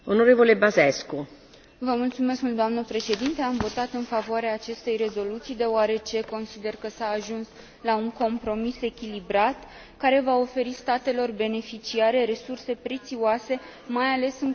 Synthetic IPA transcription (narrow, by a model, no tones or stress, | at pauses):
onoɾevolebazesku | vəmult̪sume̞skmuld̪oamnəpɾe̞ʃe̞d̪int̪e̞amvo̞t̪at̪ɨnfavoaɾeaːt͡ʃe̞st̪e̞jre̞zo̞lut̪sijd̪e̞oaɾe̞t͡ʃe̞ko̞nsid̪e̞rkəsaːʒuns | lauŋko̞mpɾo̞mise̞kʲilibɾat̪ | kaɾe̞vao̞fe̞ɾist̪at̪e̞lo̞rbe̞ne̞fit͡ʃiaɾe̞ɾe̞surse̞pɾe̞t̪sioase̞ | majale̞sɨŋ